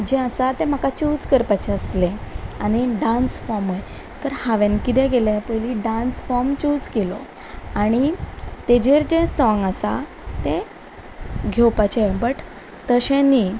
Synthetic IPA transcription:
d͡ʑeəsat̪em̤akat͡ɕud͡zkəɾpat͡ɕeəsleaɽ̃iɖãnsfɔmj | t̪əɾhaʋenkit̪̬ɛ̃ɡelepəjliɖãnsfɔmt͡ɕud͡zkelɔ | aɽ̃it̪ed͡ʑeɾd͡ʑesɔ̃ŋɡasa̰ | t̪e | ɡʱewpat͡ɕebəʈ | t̪əɕẽnːi

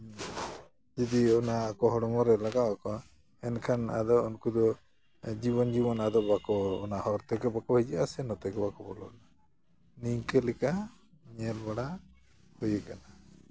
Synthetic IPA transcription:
d͡ʒɛd̪iɔnaːkɔɦɔɽɔmɔɾɛlaɡawakɔ | ɛnkʰana̰d̪ɔɔnkud̪ɔ | d͡ʒibɔnd͡ʒibɔnad̪ɔbakɔ̰ːnahɔɾt̪ɛkɛbakɔɛd͡ʒɛasɛnɔt̪ɛkɛbakɔbɔlɔ̰na | nikɛlɛka | ɲɛlbaɽa | hɔjɛkana

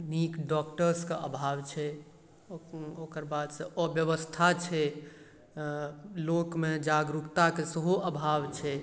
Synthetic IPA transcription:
nikɖɔkʈəɾskeəbʱawt͡ʃʰɛ | okəɾbad̪sə̃ʔɔbjəʋəst̪ʰat͡ʃʰɛ | lokmed͡ʒaɡɾukt̪akesəɦuəbʱaʋt͡ʃʰɛ

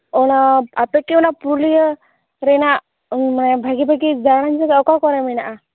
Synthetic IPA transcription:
ɔnaapɛkiɔnapɾulijə | ɾɛnaʔ | manɛbʱaɡibʱaɡid͡ʒaɽand͡ʒakaɔkakɔɾɛminaʔa

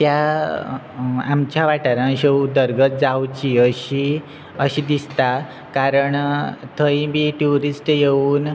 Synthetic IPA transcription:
t̪ja | a̰mt͡ɕjaʋaʈaɾãɕewd̪əɾɡət̪̚d͡zawt͡ɕiəɕi | əɕid̪ist̪a | kaɾəɳt̪ʰəjibiʈuɾisʈjeuːn

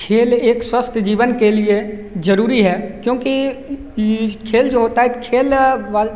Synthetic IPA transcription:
kʰeːleːkswəst̪ʰd͡ʒiːʋənkeliezəɾuːɾiɦɛːkjõːki | kʰeːld͡ʒoːɦoːt̪aɦɛkʰeːlʋa

